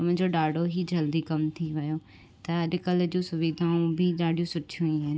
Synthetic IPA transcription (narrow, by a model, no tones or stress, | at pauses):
mʊ̃ːɲd͡ʑoɖaːɖʱoɦid͡ʑɐld̪ikɐmt̪ʰiʋɪjo | t̪ɐɐɗɪkəld͡ʑũsʊʋiːd̪ʱaːũbɪɗaːɖʱijũsʊʈʰũaːn